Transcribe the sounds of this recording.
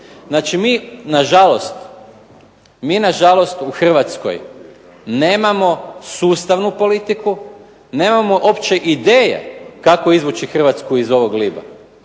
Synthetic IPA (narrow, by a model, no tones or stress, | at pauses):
znaːt͡ʃimiːnaʒalo̞st̪ | miːnaʒalˠo̞st̪uxr̩ʋat̪sko̞̰j | ne̞ːmamo̞suːst̪aʋnupo̞lit̪iku | neːmamoʔo̞pt͡ʃe̞ʔid̪eːjḛkakoizʋut͡ʃixr̩ʋat̪skuizo̞ʋoɡliːba̰